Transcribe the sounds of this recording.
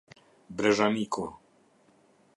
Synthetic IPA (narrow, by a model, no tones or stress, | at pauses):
bɾɛʒanikʰo